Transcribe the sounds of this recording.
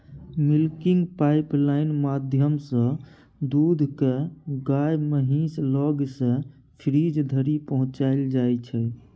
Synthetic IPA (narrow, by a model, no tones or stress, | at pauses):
milkiŋɡpajplaɪnmad̪ʱjəmsə̃ | d̪ud̪ʱkeɡajməɦĩslɔɡsə̃ | pʰɾid͡ʒd̪ʱəɾipəɦʊ̃t͡ʃaeld͡ʒajt͡ʃʰɛ